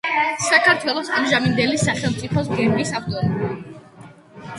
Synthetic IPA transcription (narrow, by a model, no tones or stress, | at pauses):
sakʰaɾt̪ʰwɛlˠɔsamʒamind̪ɛlisaχɛlˠmt̪sʼipʰɔs̬ɡɛɾbisapt̪ʼɔn